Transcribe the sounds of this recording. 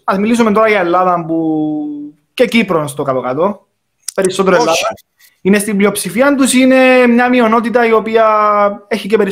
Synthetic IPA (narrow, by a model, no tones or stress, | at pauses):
ɐzmilis̬umet̪o̞ɾɐʝɐelːɐðɐmpu | ce̞cipɾonst̪okɐlokɐt̪o̞ | pe̞ɾisːot̪eɾoelːɐɐ | inest̪imblio̞psifiɐnt̪usine̞mɲɐmio̞no̞t̪it̪ɐio̞piɐeçicepeɾi